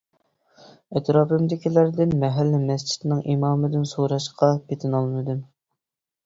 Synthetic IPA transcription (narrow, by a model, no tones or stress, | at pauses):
ɛt̪ɾɑːpɨmd̪ɪkʲilæɾd̪ɪnmɛɦɛlːɪmɛst͡ʃʰi̥t̪nɨŋʔimɑːmɨd̪ɪnsoɾɑʃqʰɑpʰet̪ʰɪnɑlˠmɨd̪ɨm